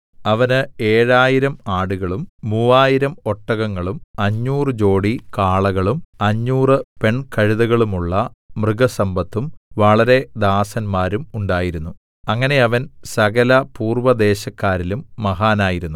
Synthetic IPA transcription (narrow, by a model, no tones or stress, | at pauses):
ɐʋɐnɨeːɻaːjiɾɐmaːɽuɣɐɭumːuːaːjiɾɐmo̞ʈːɐɣɐŋːɐɭumɐɲːuːrɨd͡ʑo̞ːɽikaːɭɐɣɐɭumɐɲːuːrɨpe̞ɳkɐɻiðɐɣɐɭumuɭːɐmrɨɡɐsɐmbɐt̪ːumʋɐɭɐɾe̞d̪aːsɐnmaːɾumuɳɖaːjiɾunːu | ɐŋːɐne̞ɐʋɐnsɐɣɐlɐpuːrʋɐd̪e̞ːɕɐkːaːɾilumːɐɦaːnaːjiɾunːu